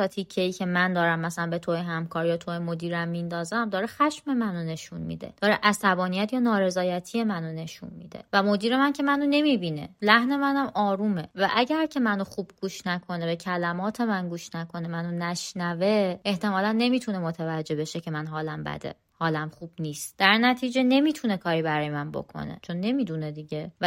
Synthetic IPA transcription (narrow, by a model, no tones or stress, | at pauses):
ɒt̪ʰicʰːeiːcʰe̞mænd̪ɒːɾæmːæsælænbe̞t̪ʰoeɦæmkʰɒːɾjɒːt̪ʰoemo̞d̪iːɾæmːind̪ɒːzæmd̪ɒːɾexæʃme̞mænone̞ʃunmḭːd̪ḛd̪̥ɒːɾeʔæsæbɒːnijæt̪ʰjɒːnɒːɾe̞zɒːjæt̪ʰije̞mænone̞ʃṵnmḭd̪e̞̰væmo̞d̪iːɾe̞mæncʰe̞mænone̞mibiːne̞̰læhne̞mænæmɒːɾuːme̞væʔæɟæɾcʰe̞mænoxuːb̥̚ɡ̥uːʃnækʰo̞ne̞be̞cʰælæmɒːt̪ʰe̞mænɡuːʃnækʰo̞ne̞mænonæʃnæveeht̪e̞mɒːlænːe̞miːt̪ʰunemo̞t̪ʰævæd͡ʒːe̞be̞ʃecʰe̞mænɦɒːlæmbæ̰d̪ḛ | hɒːlæmχuːb̥niːst̪d̪̥æɾnæt̪ʰiːd͡ʒe̞ne̞miːt̪ʰune̞kʰɒːɾiːbæɾɒːjemænbo̰kʰo̞̰ne̞̰t͡ʃʰo̞nːe̞miːd̪uned̪iɟe̞